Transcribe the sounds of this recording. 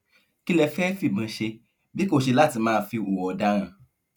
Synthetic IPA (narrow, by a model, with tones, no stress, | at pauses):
ki˦lɛ˧˨fɛ˦fi˦˨mĩ˨˧˦ʃe˧ | bi˦ko˦˨ʃe˧la˦˨ti˧˦mãː˦˧fi˧u˨wɔ˨˧da˦ɾ̃ã˦˨